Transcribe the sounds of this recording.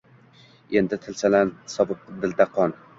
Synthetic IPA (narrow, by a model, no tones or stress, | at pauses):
e̞nd̪ɪt̪ʰɪlsalansɒbɨp̚d̪ɪld̪aqʰɒn